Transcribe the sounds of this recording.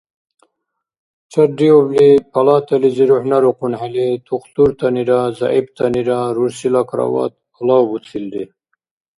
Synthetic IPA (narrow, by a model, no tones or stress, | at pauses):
t͡ʃaɾɖioblipʰalɑt̪aliziɾuħnaɾuqunhalit̪ʰuqt̪uɾt̪aniɾaza̰ibt̪ʰaniɾaɾuɾsilakɾa̰wɑ̰t̪̚ | ulɑbut͡sʰild̪i